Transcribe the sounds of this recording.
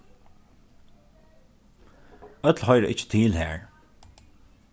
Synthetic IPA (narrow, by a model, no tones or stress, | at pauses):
œt̪lhɔjɾʔɪ̰t͡ʃə̥t̪ʰiːlhɛːɹ